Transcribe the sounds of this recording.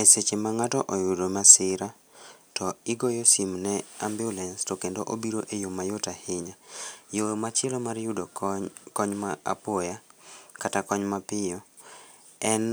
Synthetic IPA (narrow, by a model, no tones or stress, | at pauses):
eset͡ʃemaŋatɔʔojʊdomasɪɾa | tɔɪɡojɔsimnɛambjɔlɛnstɔkendoʔobiɾoʔejomːajotahɪɲajomat͡ʃɪɛlɔmaɾjʊdokɔɲmaa̰pɔjakatakɔɲmapɪjɔ | ɛn